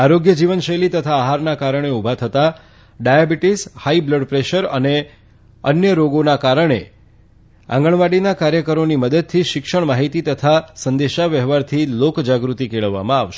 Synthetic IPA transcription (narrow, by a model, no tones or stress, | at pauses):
aɾoɡjəd͡ʒiʋənʃəjlit̪ət̪ʰaːɦaɾnakaɾəɳ̃eubʱat̪ʰət̪a | ɖajabiʈishaibləɖpɾeʃəɾə̰ne | ənjəɾoɡonakaɾəɳ̃ḛ | ã̰ŋɡəɳʋaɽinakaɾjəkəɾoniməd̪əd̪̚t̪ʰiʃɪkʃəɳ̃maɦit̪it̪ət̪ʰasənd̪eʃaʋəɦʋaɾt̪ʰilokd͡ʒaɡɾut̪ikeɭəʋːa̰mãaʋʃe